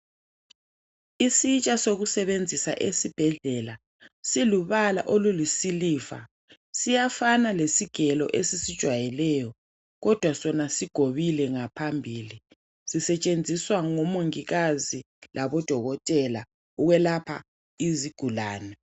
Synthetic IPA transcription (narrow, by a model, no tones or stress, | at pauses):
isit͡ʃʼasoɣusɛβend͡zʱisa̰ʔesib̥ʱɛɮɛːla | siluβala̰ʔolulisiliːfa̰ | sijafanalesiɡ̥ʱɛlɔ̰ʔesisid̥ʒ̥ʱwajɛlɛjɔ | ɣɔd̥ʱwasɔnasiɡ̥ʱoβilɛŋapʰambʱiːli | sisɛt͡ʃʼend͡zʱiswaŋɔmoŋiɣazi | lʔaβɔd̥ʱɔɣɔtʼɛla | uɣwɛlapʰa̰ | iziɡ̥ʱula̰ːnɛ